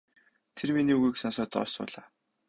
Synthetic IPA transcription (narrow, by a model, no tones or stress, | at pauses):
t̪ʰerminiːɣujksɔnsɔːt̪ɔ̰rsʊ̰ːɮaː